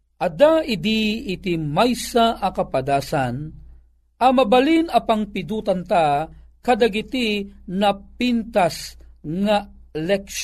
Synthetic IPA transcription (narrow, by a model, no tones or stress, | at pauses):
ʔɐd̪aɪd̪iːt̪imajsaʔɐkɐpad̪aːsan | ɐmɐbɐlinɐpaŋpɪd̪uːt̪ɐnt̪a | kɐd̪aɡit̪inɐpint̪asŋa | lɛk